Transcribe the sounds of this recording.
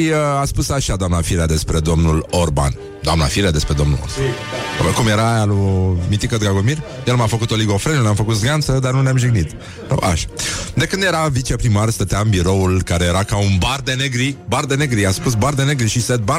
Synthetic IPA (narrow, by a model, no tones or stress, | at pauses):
ʃiəaspusaʃad̪oamnafiɾad̪e̞spɾe̞d̪o̞mnulo̞rba̰n | d̪oamna̰fiɾad̪e̞spɾe̞d̪o̞mnṵlo̰s | kumjeɾaːjalumit̪ikəd̪ɡaɡomir | jelmafəkut̪o̞liɡo̞fɾenənamfəkut̪zɡant̪səd̪arnuneamʒiɡnit̪ | o̰ʔa̰ʃḁd̪e̞kɨnd̪je̞ɾavit͡ʃe̞pɾimarst̪ət̪eambiɾo̞ulkaɾe̞je̞ɾakaunbard̪e̞neɡɾibard̪e̞ne̞ɡɾiaspus̬bard̪e̞ne̞ɡɾiʃised̪̚ba